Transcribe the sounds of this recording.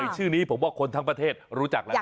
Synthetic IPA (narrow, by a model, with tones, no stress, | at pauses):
jt͡ɕʰɯː˥˩niː˦˥pʰo˩˦mwaː˥˩kʰo˧nt̪ʰa˦˥ŋpɾa˧t̪ʰeː˥˩t̪̚ɾuː˦˥t͡ɕa˨˩k̚la˦˥˦